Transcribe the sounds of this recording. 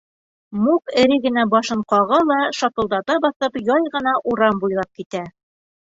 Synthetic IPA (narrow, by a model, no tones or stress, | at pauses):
mukɘ̆ɾɘɡɘ̆næbɒʃɤ̆ɴqɑʁɤlˠɑʃɒt̪ɤ̆lˠd̪ɑd̪ɑbɒθɤpjɑjʁɤ̆n̪ɑʔuɾɑmbujlˠɑp̚kit̪æ